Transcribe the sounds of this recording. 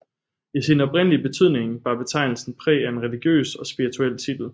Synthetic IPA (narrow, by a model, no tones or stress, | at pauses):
isinəɒ̽b̥ʁen̰liəb̥e̝t͡sʰyð̞̰ˠne̝ŋʋɑ̈b̥e̝t͡sʰɑ̈ɪ̰nl̩sn̩pʰʁɛ̰ːæe̝nʁɛliɡ̥jø̰ːsɒ̽sb̥iʁit͡sʰuel̰t͡sʰid̥l̩